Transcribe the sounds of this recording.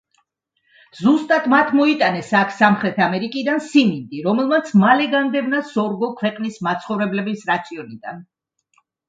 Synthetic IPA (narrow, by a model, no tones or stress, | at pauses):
zust̪ʼat̪mat̪ʰmɔit̪ʼanɛsakʰsamχɾɛt̪ʰamɛɾikʼid̪ansimind̪iɾɔmɛlˠmat̪sʰmalɛɡand̪ɛbnasɔɾɡɔkʰwɛqʼnismat̪sʰχɔvɾɛblɛbisɾat̪sʰiɔnid̪a̰n